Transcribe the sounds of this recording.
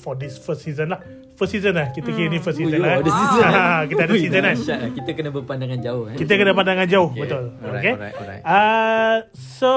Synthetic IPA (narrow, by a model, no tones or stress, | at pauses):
fɔdɪsfəsizənlah | fəsizənlahkit̪əkinifəsizənlaãɦãkit̪adissizənakit̪əkənəbəpandaŋand͡ʒaʊhkit̪̬əkənəpandaŋãnd͡ʒaʊhbət̪ʊlokea | so